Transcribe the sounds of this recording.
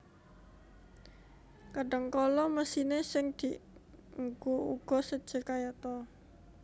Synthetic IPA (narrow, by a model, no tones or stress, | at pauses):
kəɖəŋkɔlɔməsinesɪŋd̪̥i̤ʔŋɡouɡ̥ɔ̤səd̥ʒ̥ə̤kajat̪ɔ